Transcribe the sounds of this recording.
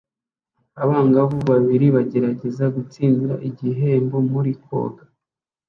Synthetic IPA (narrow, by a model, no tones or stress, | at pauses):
aβaːŋɡaβuβaβiɾiβaɟe̞ɾaɟe̞zaɡut͡siːndiɾaʔiɟiɦe̞ːmbomuɾiko̞̰ːɡḁ